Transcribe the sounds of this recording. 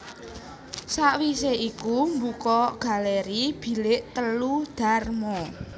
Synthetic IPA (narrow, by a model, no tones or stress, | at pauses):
saʔwiseʔikumbukɔɡ̥a̤leɾib̥i̤lɪʔt̪əlud̪̥a̤rmɔ